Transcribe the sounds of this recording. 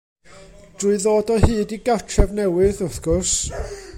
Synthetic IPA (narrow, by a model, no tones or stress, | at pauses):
d̥ruɨðoːdɔhɨːdiɡatʰrɛvnɛwɨðʊθɡ̥ɔrs